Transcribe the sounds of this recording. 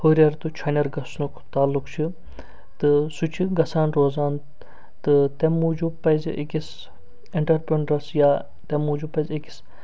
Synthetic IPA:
hoːɾʲɐɾt̪ut͡ʃʰɐnʲɐɾɡɐsnukʰt̪aːlːukt͡ʃʰi | t̪ɨsut͡ʃʰiɡɐsaːnɾoːzaːn | t̪ɨt̪emud͡ʒupɐjzʔḛkis | iɳʈɐɾpɾeɳɖɾɐsjaː | t̪emːuːd͡ʒupɐzeki̥s

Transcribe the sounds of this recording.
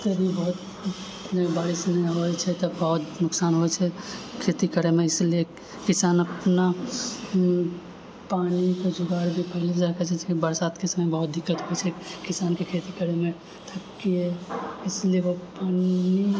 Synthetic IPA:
t̪əbʱibɔɦʊt̪ | nebaɾɪsneɦoɛt͡ʃʰɛt̪əbɔɦʊt̪nʊksaːnɦoɛt͡ʃʰɛkʰet̪ikəɾemẽɪslie | kɪsaːnəpna | paːnikod͡ʒʊɡaːɾbʱipəɦɪlid͡ʒaɾkɛt͡ʃʰɛt͡ʃʰɛbəɾsaːd̪kesəməjbəɦʊt̪̚d̪ʱɪkːət̪ɦoɛt͡ʃʰɛkɪsaːnkekʰet̪ikəɾemẽ | t̪ʰɐkːiɛɪslijeʋopaːni

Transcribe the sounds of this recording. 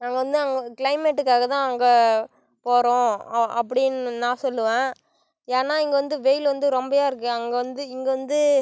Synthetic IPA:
nãːŋɡɐʋɐnd̪ɯɐŋɡɐkɪɭɐɪmɛʈːɯkːaːɣɐt̪ãːɐŋɡɐ | poːɾõːɐpːɐɽɪnːnãːsɔlːɯʋẽː | jeːnaːɪŋɡɐʋɐnd̪ɯʋɛjɪlʋɐnd̪ɯɾɔmbɐjaːɪɾɯkːɯɐŋɡɐʋɐnd̪ɯɪŋɡɐʋɐnd̪ɯ

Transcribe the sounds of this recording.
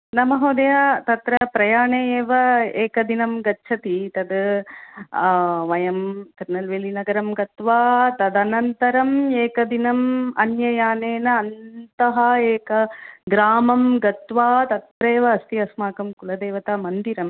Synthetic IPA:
nɐmɐɦɐːd̪ɐjaːt̪ɐt̪ɾɐpɾɐjaːɳeːjeːʋɐeːkɐd̪inɐmɡɐtːt͡ʃʰɐt̪it̪ɐd̪ | ʋɐjɐmt̪iɾnɐlʋeːlinɐɡɐɾɐmɡɐt̪ʋaːt̪ɐd̪ɐnɐnt̪ɐɾɐmeːkɐd̪inɐmɐnjɐjaːneːnɐːnt̪ɐɦɐeːkɐɡɾaːmɐmɡɐt̪ʋaːt̪ɐt̪ɾeːʋɐːst̪iɐsmaːkɐmkulɐd̪eːʋɐt̪aːmɐnd̪iɾɐm

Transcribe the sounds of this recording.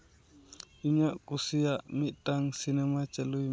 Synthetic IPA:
uɲaʔkusijaʔmiʔtaŋsinɛmat͡ʃalu

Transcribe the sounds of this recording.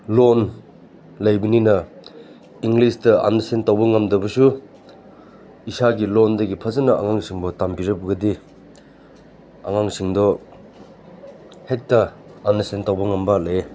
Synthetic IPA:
lon | lɐjbininɐ | iŋɡlistɐa̰nɐsentawbɐŋɐmdɐbɐsu | isaɡilɔndɐɡipʰɐzɐnɐʔa̰ŋaŋsiŋbɔtampiɾɐbɡɐdi | a̰ŋaŋsiŋdɔ | hek̚tɐ | anɐsentawbɐŋɐmbɐlaje

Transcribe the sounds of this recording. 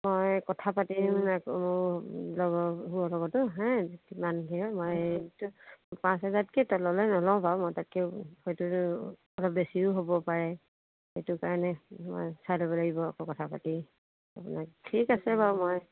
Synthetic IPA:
mojkɔtʰapatimakmʊɹlɔɡɔɦuɔlɔɡɔtʊɦɛ̃kimanɡʱiɔmojtʊpãsɦazat̚kɛtɔlɔlɔjnɔlɔ̃paw̃mɔjtat̚kɛhojtu | ɔlɔp̚besiʊɦobɔpaɹɛ | xejtʊkaɹɔnɛmɔ̰jsalobɔlaɡibɔakɔkɔtʰapa̰ti | a̰pʊnaktʰikasɛbaʊmoj

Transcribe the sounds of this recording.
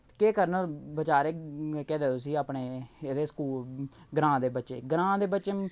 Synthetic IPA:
keːkəɾnəbət͡ʃaːɾeːkɛːd̪eːosiːaːpɳeːeːd̪eːskuːlɡɾãːd̪eːbətːʃḛːɡɾãːd̪eːbətːʃeː

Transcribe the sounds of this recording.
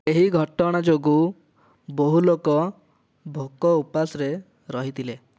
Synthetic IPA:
eɦiɡʱɔʈɔɽ̃ad͡ʒoɡu | boɦulokɔ | bʱokɔupasɔɾe | ɾɔɦit̪ʰile

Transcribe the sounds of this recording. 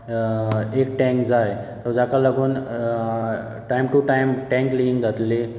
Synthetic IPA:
ek̚ʈɛ̃ŋkd͡zaj | t̪əd͡zakalaɡuːn | ʈajmʈuʈajmʈɛ̃ŋkliʋĩŋɡd͡zat̪le

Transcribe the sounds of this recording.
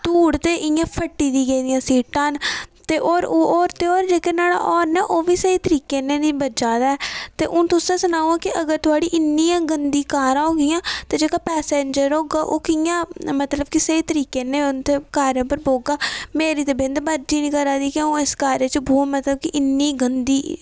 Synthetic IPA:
t̪uːɽt̪eːʔɪjãːpʰəʈːiːd̪iːɡeːd̪ɪjãːsiːʈãːnt̪eːʔoːɾoːɾt̪eːoːɾd͡ʒeːkenaːɽã̰ːʔɔːɾnɛːʔoːʋiːsəiːt̪əɾiːkeːnẽːniːbəd͡ʒaːd̪aːɛːt̪eːʔʊ̃ːt̪ʊsãːsənaːuãːkɪəɡəɾt̪ʊaːɽiːʔɪnːiːãːɡənd̪iːkaːɾãːɦoːɡɪjãːt̪eːd͡ʒeːkaːpɛːseːɲd͡ʒəɾoːɡaːʔoːkɪjãːmət̪ləb̚kɪseiːt̪əɾiːkeːnẽːʊnt̪eːkaːɾjõːpəɾboːɡaːmeːɾiːt̪ebẽnd̪bəɾd͡ʒiːnĩːkəɾãːd̪iːkɪõːeskaːɾeːt͡ʃəboːmət̪ləb̚kiʔɪnːiːɡənd̪iː

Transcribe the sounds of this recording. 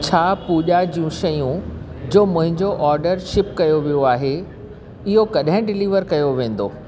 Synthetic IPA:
t͡ɕʰaːpuːʄad͡ʑijũʃɐjũd͡ʑoːmʊ̃ɦɪ̃ɲd͡ʑoʔɔːɾɖəɾʃɪpkɐjoʋijoaːɦe | ɪɦokɐɗɦɪ̃ɖɪliːʋəɾkɐjoʋẽːn̆d̪o̰ː

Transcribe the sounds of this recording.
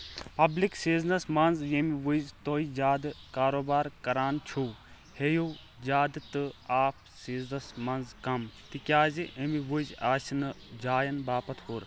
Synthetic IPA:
pɐbliksiːznɐsmɐnzjemiʋuzt̪oːid͡ʒaːd̪kaːɾoːbaːɾkɐɾaːnt͡ʃʰuː | heju | jaːd̪t̪ɨaːpʰ | siːznɐsmɐnzkɐmt̪ikʲaːziemiʋuzaːsinɨd͡ʒaːjɐnbaːpɐt̪ʰɦuɾ

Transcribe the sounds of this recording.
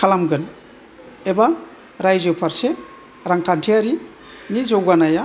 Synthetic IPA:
kʰalamɡɯn | eba | ɾajzɯpʰaɾse | ɾaŋkʰantʰiaɾi | nizowɡanaja

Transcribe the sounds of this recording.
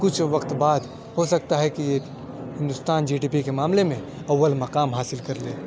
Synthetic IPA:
kʊt͡ʃʰʋɐkt̪baːd̪ | hosɐk̚t̪aɦɛkije | ɦɪ̃nd̪ʊst̪aːnd͡ʒiːɖiːpikemaːmlemẽ | ɐʋːəlmɐqaːmɦaːsɪlkɐɾleː

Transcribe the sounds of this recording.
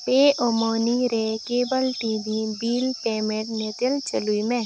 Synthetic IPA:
peːʔomoːniɾekeːbəlʈiːbibiːlʈeːmeʈnet̪əlt͡ʃəluimẽ

